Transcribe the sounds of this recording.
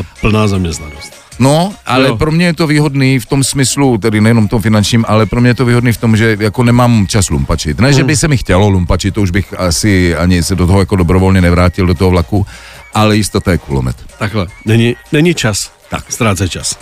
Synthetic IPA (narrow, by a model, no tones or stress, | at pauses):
pl̩naːzamɲɛst̪nanɔst | noʔalɛpɾomɲɛjɛt̪oviːɦɔd̪niːft̪omsmislut̪ɛdinɛjɛnɔmft̪omfinant͡ʃɲiːmalɛpɾomɲɛjɛt̪oviːɦɔd̪niːft̪omʒɛjakonɛmaːmt͡ʃaslṵmpat͡ʃit̪nɛʒɛbɪsɛmɪxcɛlolumpat͡ʃit̪t̪ːouʒbɪxasɪaɲɪsɛdot̪ɔɦɔjakodobɾɔvɔlɲɛnɛvɾaːcild̪ot̪ɔɦɔvlaku | ʔalɛjist̪ot̪ajɛkulo̰mɛ̰t̪t̪aɡlɛnɛɲinɛɲit͡ʃas | t̪a̰kst̪ɾaːt͡sɛt͡ʃas